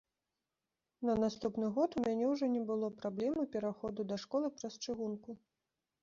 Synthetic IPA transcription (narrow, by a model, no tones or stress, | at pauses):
nɐnast̪upnɨɣɔt̪umʲanʲɛwʐɔnʲɛbɨlˠɔpɾablʲɛmɨpʲɛɾaxɔd̪ud̪ɐʂkɔlˠɨpɾɐst͡ʂɨɣunku